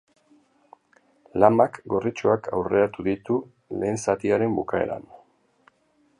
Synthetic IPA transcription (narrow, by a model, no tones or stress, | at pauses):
lamakɡo̞rit͡ʃoakʰawre̞ɾat̪uðit̪u | le̞ːnsat̪iaɾe̞mbukae̞̰ɾa̰n